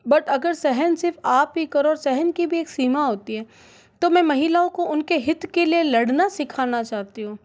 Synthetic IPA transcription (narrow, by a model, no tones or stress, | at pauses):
bɐʈɐɡəɾsɛɦənsɪɾfaːpikɐɾɔːɾsɛɦənkibʱieːksiːmaɦoːt̪iɦɛː | t̪omɛ̃ːmɐɦɪlaõkoʊnkeɦɪt̪kelielɐɽnasɪkʰaːnat͡ʃaːt̪iɦũː